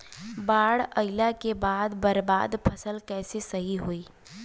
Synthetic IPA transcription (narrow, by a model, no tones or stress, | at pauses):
baːɽəɪlakebaːd̪bɐɾbaːd̪pʰɐsəlkɛːsesɐɦiɦoiː